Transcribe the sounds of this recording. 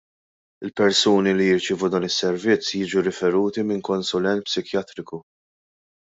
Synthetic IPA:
ɪlpɛɾsuːnilijɪɾt͡ʃɪːvud̪ɐːnɪsːɛɾvɪt͡sːjiːd͡ʒuɾɪfɛɾuːt̪imɪŋkɔnsʊlɛnt̪̚psɪkjɐt̪ɾɪku

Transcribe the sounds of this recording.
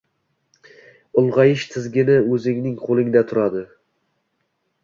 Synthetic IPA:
ʊlˠʁɑjɪʃt̪ʰɪzɡʲɪnɪɵzɪŋnɪŋqʰolˠɪŋd̪at̪ʰʊɾad̪ɪ

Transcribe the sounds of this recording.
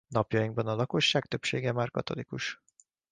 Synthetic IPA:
nɒpjɒjiŋɡbɒnɒlɒko̞ʃːaːk̚t̪ø̞pʃeːɡɛmaːrkɒ̰t̪o̞̰likuʃ

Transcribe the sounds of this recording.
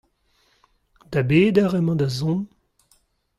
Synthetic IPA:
d̪abeːd̪aʁɛmɑ̃d̪azɔ̃m

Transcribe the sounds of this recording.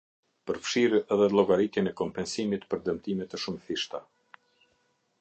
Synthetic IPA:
pəɾfʃiɾɛðɛlˠɔɡaɾit̪jɛnɛkɔmpɛnsimit̪pəɾd̪əmt̪imɛt̪ɛʃumθiʃt̪a

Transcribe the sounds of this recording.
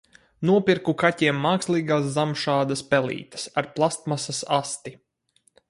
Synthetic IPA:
nuɔpʲiɾkukatʲiɛmːaːkslˠiːɡaːs̬zamʃaːd̪aspɛlˠḭːt̪ɐ̥saɾplˠast̪masasast̪i

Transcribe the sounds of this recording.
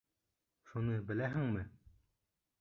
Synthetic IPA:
ʃunɤbɘ̆læɦɘŋmɘ

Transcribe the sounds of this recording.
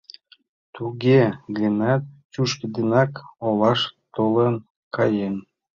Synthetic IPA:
t̪uɡeɡənæt̪̚t͡ɕuʃkid̪enɑkolɑʃt̪olən | kɑjen

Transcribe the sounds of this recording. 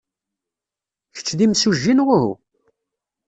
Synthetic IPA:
çə̥t͡sːðimsuʒːinʁʊhṵ

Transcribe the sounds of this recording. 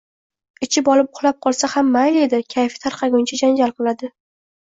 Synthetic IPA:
ɪt͡ʃʰɪbɒlɪpʊχlˠap̚qʰɒlˠsahamːajle̞d̪ɪkʲʰajfɪ̥t̪ʰaɾqʰɑɡʲʊnt͡ʃʰad͡ʒand͡ʒalˠqɨlˠad̪ɪ

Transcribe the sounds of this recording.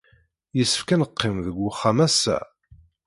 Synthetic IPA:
jəsːə̥fkænəqːɪmðəɡʷːʊχːamæsːæ̰

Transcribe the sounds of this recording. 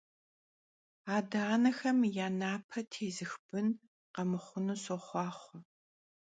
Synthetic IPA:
aːdaːnɐxɐmjaːnaːpʰɐtʰeːzɨxb̥ɨn | qɐmɨχʷʊnusoχʷɑːχʷʊ

